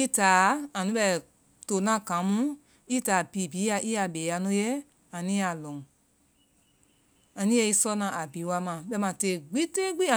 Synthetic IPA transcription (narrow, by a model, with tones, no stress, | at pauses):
i˦taː˨˦ã˨nĩ˦ɓɛ˧˨ | to˨nã˨˦kã˨˦mũ˦ | i˦taː˨piː˨˦˨biː˨˦a˧˦ʔi˦a˧ɓeː˨˦a˧nɔ̃˦jɛ˦ | ã˨nĩ˦a˨lɔ̃˨ŋ˨ | a˨nĩ˦jɛ˧˦i˦sɔ˦nã˨a˨biː˨˦wa˧˦mã˨ɓɛ˧˨mã˨te˧˨ɡ͡bi˦te˦ɡ͡bi˦a˨